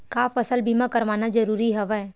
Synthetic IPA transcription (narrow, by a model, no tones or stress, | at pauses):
kaːfɐsəlbʱimakɐɾʋaːnad͡ʒɐɾuːɾiɦɛʋɛ